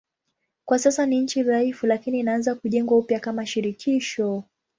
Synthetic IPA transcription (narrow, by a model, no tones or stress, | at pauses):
kwasasaniɲ̩t͡ʃiɾaifulakiniːnaanzakuʄɛŋɡwaupjakamaʃiɾikʰiʃɔ